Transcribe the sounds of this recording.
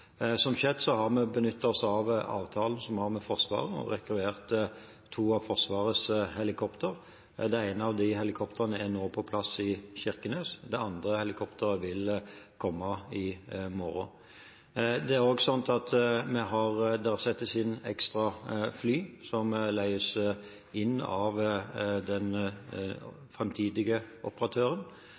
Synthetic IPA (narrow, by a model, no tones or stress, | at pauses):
sɔmɕɛːd̪sɔhɑʁmɛbənʏt̪ʰːəɔsɑʋɑ̰ːʋt̪ʰɑːln̩sɔmhɑɾmɛfɔʁsʋɑ̰ːʁəɔ̰ʁɛkɾʉeːʁt̪ | t̪ʰːuːɑʋfɔʁsʋɑːʁəshɛlɪkʰɔpt̪ʰəʁ | d̪ɛæɪnəɑʋd̪ɪɦɛlɪkʰɔpt̪ʰəʁənəæʁnoːpʰɔpʰlɑsɪçɪʁkəneːsd̪ɛɑnd̪ɾəhɛlɪkʰɔpt̪ʰəɾəʋɪlkʰɔmːɑɪmɔɾʊ̰ | d̪ɛæɾoːɡsɑnt̪ɑt̪mɛɦɑʁd̪ɛʁsɛt̪ːəsɪnɛ̰kst̪ʁɑflyːsɔmlæɪəs | ɪnːɑ̰ʋd̪ɛn | fɾɛmt̪ʰiːd̪ɪɡəʔɔpəɾɑt̪ʰøːɾən